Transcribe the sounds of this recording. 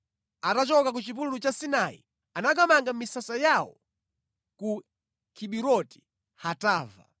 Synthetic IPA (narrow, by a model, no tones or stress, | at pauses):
atat͡ʃɔkak̬ut͡ʃip̬ullut͡ʃasinaḭ | anak̬amaŋɡam̩misasajawɔ̰ | ku | kʰiɓiɾɔti̥ | hataːva̰